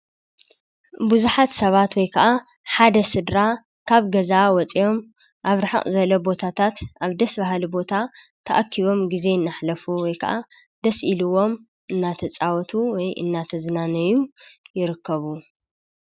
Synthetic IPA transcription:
buzuħat̪sɐβat̪wɔjkʰɐʔa | ħad̪ɐsɨd̪ɾa | kʰaβɡɐzawɔt͡sʼijo̞m | ʔaβɾaħa̰χʼzɐlːobo̞t̪ʰat̪ʰat̪ʔaβd̪ɐsbaɦlibo̞t̪ʰa | t̪ʰɐʔakʰːiβo̞mɡize̞ɨnːaħlɐfuwɔjkʰɐʔa | d̪ɐsʔiluwo̞m | ʔɨnːat̪ʰɐt͡sʼawɔt̪ʰuwɔjʔɨ̰nːat̪ʰɐzɨnanɐjujɪɾɨkʰːɐβu

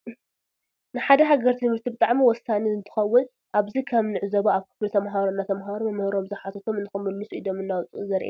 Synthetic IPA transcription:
nɨħad̪ɐɦaɡɐɾt̪ʰinmɨɾt̪ʰibɨt̪ʼaʕmiwɔsːanizɨnt̪ʰɨ̥xɐwːʊn | ʔaβzikʰɐmnɨʕzɐβaaβkʰɨ̥flɐt̪ʰɐmɦaɾonːat̪ʰɐmɦaɾomɨmɨhɾo̞mzɨħat̪ʰɐt̪ʰo̞mɨnt̪ɨxɐmːɨnːɨsuʔid̪o̞mɨnːawɔt͡sʼʔuzɐɾʔḛ

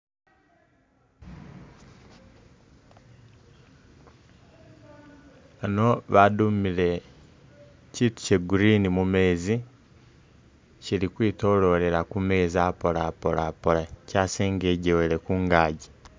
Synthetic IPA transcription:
ano̞βadumiɾe̞ | ciːtu̥ceɡuɾiːnimume̞ːzi | ciɾikwiːto̞lo̞ɾe̞ɾakume̞ːziapolapo̞lapoɾacaːseːŋɡeɟeweɾekuːŋɡaːɟi

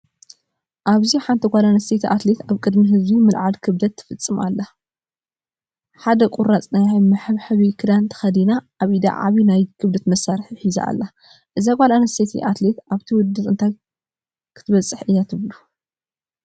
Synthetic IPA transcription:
ʔaβziħant̪ʰɐɡʷalanɐset̪ʰiʔat̪le̞t̪aβkʼɨd̪miɦɨzbimɨlʕalkʰɨβd̪ɐt̪ʰːɨ̥fɨt͡sʼːɨmalːa | ħad̪ɐkʼuɾat͡sʼnajmɨħɨβħɨβikʰɨd̪ant̪ʰɐ̥xɐd̪inaʔːβʔid̪a̰ʕa̰βinajkʰɨβd̪ɐt̪mɐsːaɾɨħħiza̰ʔa̰lːa | ʔɨzaɡʷalanɐset̪ʰḭʔat̪let̪ʔaβt̪ʰiwʊd̪ːɨt̪ʼɨnt̪ʰaj | kʰɨ̥t̪ʰɨβɐt͡sʼːɨħɨjːat̪ʰɨβlu

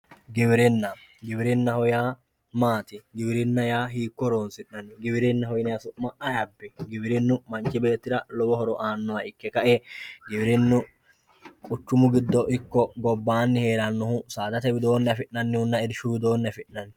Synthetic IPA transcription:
ɡɪbɪɾɪnːɐɡɪbɪɾɪnːɐhɔjaː | maːt̪ɪɡɪbɪɾɪnːɐjaːɦiːkːɔɾoːnsɪʔːɐnːɪɡɪbɪɾɪnːɐhɔjɪnɪjɐsʊʔmɐʔɐjɐbːɛɡɪbɪɾɪnːʊmɐnt͡ʃːɪbe̞ːt̪ːɪd̪ɐlɔbɔhɔɾɔʔaːnːʊwɐɪkːɛkɐʔɛɡɪbɪɾɪnːʊ | kʼʊt͡ʃːʊmʊɡɪd̪ːɔʔɪkːɔɡɔbːaːnːɪhe̞ːlɐnːɔhʊsaːd̪ɐt̪ɛbɪd̪o̞ːnːɐfɪʔːɐnːɪhʊnːɐɛd̪ɪʃʊbɪd̪o̞ːnːɛfɪʔnɐn

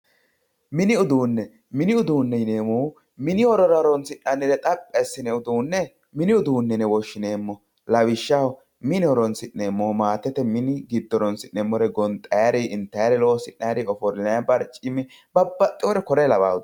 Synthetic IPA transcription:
mɪnɪʊd̪uːnːɛ | mɪnɪʊd̪uːnːɛɪneːmoː | mɪnɪɔɾɔɾɐɾɔnsɪnːɐnːɪɾɛt̪ʼɐpʼːɛsːɪnɛʊd̪uːnːɛ | mɪnɪʊd̪uːnːɛnɛwɔʃːɪneːmːɔ | lɐwɪʃːɐw | mɪnɛɔɾɔnsɪnːeːmːoːmaːt̪ːɛt̪ɛmɪnɪɡɪd̪ːɔɾɔnsɪnːɛmːɔɾɛɡɔnt̪ʼɐjaɾiʔɪnt̪ːɐjɾɛloːsɪnːɐjɾiɔfɔɾnɛɐbɐɾt͡ʃʼɪmːɪ | b̥ɐbːɐt̪ʼːɪwɔɾɛkɔɾɛlɐba̰ːʊd̪

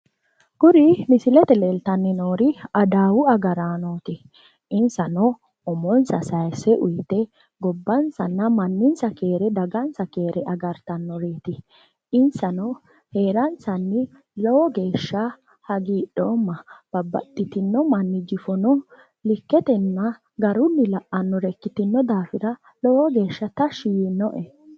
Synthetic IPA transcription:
ɡʊɾɪmɪsɪlɛt̪ɛleːlt̪ɐnːɪnoːɾɪɐd̪aːwʊɐɡɐɾaːnoːt̪ɪ | ʔɪnsɐnɔ | ɔmɔnsɐsɐjsɛʔʊjt̪ɛ | ɡɔbːɐnsɐnːɐmɐnːɪnsɐke̞ːɾɛd̪ɐɡɐnsɐkeːɾʔɛʔɐɡɐɾt̪ɐnːɔɾe̞ːt̪ɪ | ɪnsɐnɔ | he̞ːɾɐnsɐnːɪ | lɔwɔɡe̞ːʃːɐ | hɐɡiːɗoːmːɐb̥ɐbːɐ̰tʼːɪt̪ɪnːɔmɐnːɪd͡ʒɪfɔnɔ | lɪkːɛt̪ɛnːɐ | ɡɐɾʊnːɪlɐʔɐnːɔɾɛkːɪt̪ɪnːɔd̪aːfɪɾɐ | lɔwɔɡe̞ːʃːɐt̪ɐʃijɪnːɔʔɛ

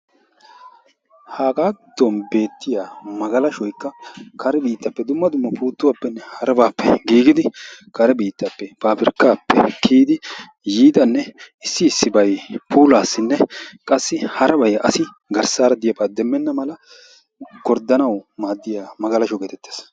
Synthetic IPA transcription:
haːkʼaːd̪ːɔnbe̞ːt̪ːɪjaːmɐɡɐlɐʃɔjkːɐkʰɐɾɛbiːt̪ːɐpːɛd̪ʊmːɐd̪ʊmːɐpuːt̪ːʊwaːpːɛnːɛhɐɾɐbaːpːɛ̰ɡiːɡɪd̪ɪkɐɾɛbiːt̪ːɐpːɛpaːpɪɾkːaːpʰːɛ̰kʰiːd̪ɪ | jiːd̪ɐnːɛ | ɪsːɪːsːɪbɐjpʰuːlaːsːɪnːɛkʼɐsːɪhɐɾɐbɐjʔɐsɪ | ɡɐɾsaːɾɐd̪ɪjɐbaːd̪ɛmːɛnːɐmɐlɐ | ɡ̥ɔɾd̪ɐnɐwmaːd̪ːɪjaːmɐɡɐlɐʃɔɡeːt̪ɛt̪ːe̥ːs

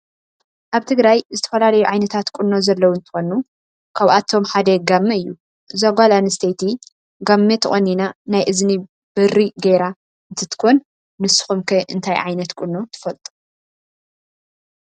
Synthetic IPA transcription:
ʔaβt̪ʰɨɡɾajzɨt̪ʰɐ̥fɐlalɐjuʕajnɐt̪ʰat̪kʼunːo̞zɐlːɐwunt̪ʰɨ̥xo̞nu | kʰaβʔat̪ʰo̞mħad̪ɐɡamːɐɨjːu | zaɡʷalanɨst̪ʰejt̪ʰi | ɡamːet̪ʰɨʔʼɐnːinanajʔɨzni | b̥ɨriɡejɾa | ɨnt̪ʰɨt̪ɨ̥kʰon | nɨsɨ̥xumkʰɐʔɨnt̪ʰajʕa̰jnɐt̪kʼʊnːo̞t̪ʰɨ̥fɐlt̪ʼu̥

